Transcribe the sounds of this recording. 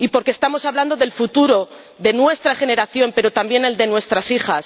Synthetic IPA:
ipo̞ɾkest̪amo̞saβland̪o̞ðe̞lfut̪uɾo̞ | ðe̞nwe̞st̪ɾaxe̞ne̞ɾaθjo̞mpe̞ɾo̞t̪ambje̞ne̞ld̪e̞nwe̞st̪ɾasixas

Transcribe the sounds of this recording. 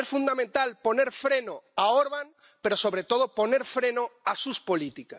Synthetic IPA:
esfund̪amẽnt̪alponeɾfɾenoaoɾβaŋ | peɾosoβɾet̪oð̞oponeɾfɾenoasuspolit̪ikas

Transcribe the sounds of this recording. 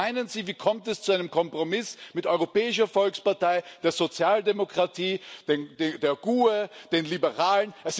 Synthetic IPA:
aɪnənziːviːkʰɔmtɛst͡suaɪnəmkʰɔmpʁ̥omɪsmɪtʔɔʏʁopɛːɪʃ̬ɐfɔlkspaɐtaɪd̥eːɐzot͡sjaːldemokʁ̥atʰiːd̥endedeːɐɡ̥uːed̥eːnlibəʁaːlənʔɛs

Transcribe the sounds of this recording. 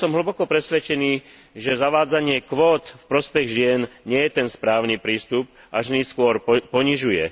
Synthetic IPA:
sɔmɦl̩ɭ̩bɔkɔpɾɛsʋɛt͡ʃɛniː | ʒɛzaʋaːd͡zaɲɪɛkʋɔːt̪fpɾɔspɛɣʒɪɛnɲɪɛjɛt̪ɛnspɾaːʊnipɾiːst̪up | ʔaʒniskʊɔɾpɔɲiʒujɛ

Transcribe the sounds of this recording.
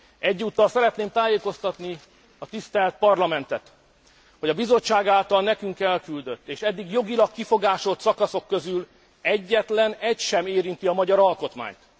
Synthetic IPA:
ɛɟːuːt̪ːɒlsɛɾɛt̪neːmt̪aːjeːko̞st̪ɒt̪ni | ɒt̪ist̪ɛlt̪̚pɒrlɒmɛnt̪ɛt̪ | ho̞ɟɒbizo̞t͡ʃːaːɡaːlt̪ɒlnɛkyŋkɛlkyld̪ø̞t̪ːeːʃɛd̪ːiɡjo̞ɡilɒkːifo̞ɡaːʃo̞t̪sɒkɒso̞kːøzyl | ɛɟːɛt̪lɛnɛcʃɛmeːɾint̪iɒmɒɟɒɾɒlko̞t̪ma̰ːɲt̪

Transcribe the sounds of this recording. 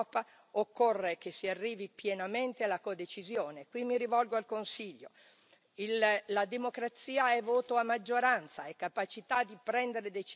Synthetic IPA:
pa | okːorːekesːiarːiːvipjenament̪ealːakod̪et͡ʃizjoːnekwimːiɾivɔlɡoalkonsiʎːo̰ | illad̪emokɾat̪siːaɛvoːt̪oamːad͡ʒːoɾant̪saɛkːapat͡ʃit̪ad̪ːipɾɛnd̪eɾed̪et͡ʃ

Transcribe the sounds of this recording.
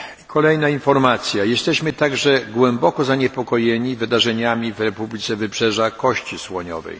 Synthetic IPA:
kʰɔlɛjnainfɔɾmat̪sʲjajɛst̪ɛɕmɘt̪aɡʐɛɡwɛmbɔkɔzaɲɛpɔkɔjɛɲivɘd̪aʐɛɲamʲivɾɛpublʲit̪sɛvɘpʂɛʐakɔɕt͡ɕiswɔɲɔ̰vɛ̰j

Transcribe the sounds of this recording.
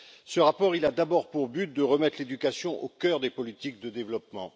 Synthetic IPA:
səʁapɔʁilad̪abɔʁpuʁbyt̪̚d̪əʁəmɛt̪χled̪ykasjɔ̃ʔokʲœʁd̪epɔlit̪ik̚d̪əd̪evlɔpmɑ̃

